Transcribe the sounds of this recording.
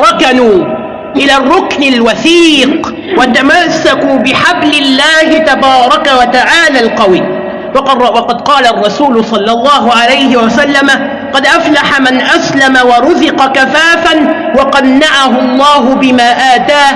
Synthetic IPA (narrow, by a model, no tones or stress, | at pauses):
ɾˤɑkanuː | ʔɪlaːrˤːʊknɪlwaθiːq | wat̪amasːakuːbɪħablɪlːaːhɪt̪abɑːɾˤɑkawat̪aʕaːlaːlqɑwiː | wwɑqɑd̪qɑːlaʔrˤːɑsuːlʊsˤɑlːɑlˤːɑːɦʊʕalajɦɪwasalːama | qɑd̪ʔaflaħamanʔaslamawɑɾˤʊzɪqɑkafaːfan | wɑqɑnːaʕaɦʊlˤːɑːɦʊbɪmaːʔaːt̪aː